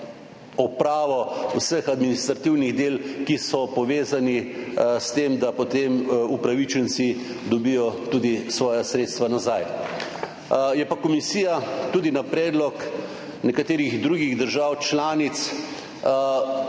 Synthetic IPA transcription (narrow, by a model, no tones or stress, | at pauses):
ɔpɾaːʋɔusəxad̪minist̪ɾat̪iwniɣd̪eːlkisɔpɔʋeːzanist̪emd̪apot̪emupɾaʋit͡ʃənt̪si | d̪ɔbijɔt̪uːd̪isʋɔːjasɾeːt̪st̪ʋanazaj | jɛpakɔmisiːjat̪uːd̪inapɾɛːd̪lɔk | nɛkat̪eːɾiɣd̪ɾuːɡiɣd̪əɾʒaːwt͡ʃlaːnit̪s